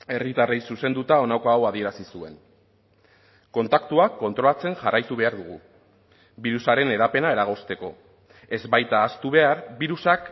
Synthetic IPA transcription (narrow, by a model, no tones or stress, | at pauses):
e̞rit̪arejsuse̞nd̪ut̪ao̞nakoawaðie̞ɾasisue̞n | ko̞nt̪akt̪uakːo̞nt̪ɾo̞lat͡se̞ŋʝarajt̪uβ̞e̞aɾðuɣ̞u | biɾusaɾe̞ne̞ɾape̞nae̞ɾaɣ̞o̞st̪e̞ko̞ | e̞zbajt̪aːst̪uβ̞e̞aɾβiɾusak